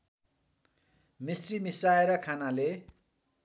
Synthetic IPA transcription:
misrimisaeɾʌkʰanale

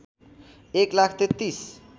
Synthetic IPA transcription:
eklakʰt̪et̪ːis

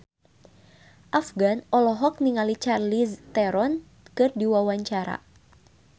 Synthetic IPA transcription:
ʔafɡanɔlɔɦɔk̚niŋalit͡ʃarlist̪ɛɾɔn | kɨrdiwawaɲt͡ʃaɾa̰

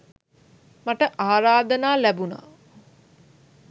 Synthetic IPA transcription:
maʈəʔaːɾaːd̪ənaːlæbuna̰ː

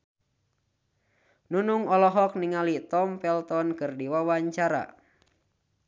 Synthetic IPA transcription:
nunuŋɔlɔɦɔk̚niŋalit̪ɔmpɛlt̪ɔnkɨrdiwawaɲt͡ʃaɾa̰

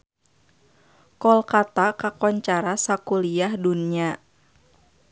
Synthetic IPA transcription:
kɔlkat̪akakɔɲt͡ʃaɾasakuliahdunia

